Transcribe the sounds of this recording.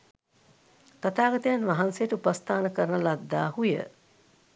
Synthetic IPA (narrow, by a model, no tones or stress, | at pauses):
t̪at̪aːɡɐt̪əjanʋaɦansejəʈəupast̪aːnəkəɾənəlad̪ːa̰ːhujə̰